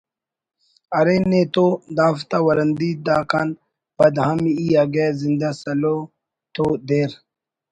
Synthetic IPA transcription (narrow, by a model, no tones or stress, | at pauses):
ɐɾenet̪od̪aːft̪awɐɾɐnd̪id̪aːkan | bɐd̪ɦɐmiaɡezind̪asɐlo | t̪od̪eːɾ